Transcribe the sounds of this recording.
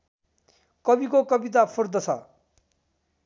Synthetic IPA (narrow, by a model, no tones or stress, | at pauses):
kʌbikokʌbit̪̬apʰurd̪ʌt͡sʰʌ̰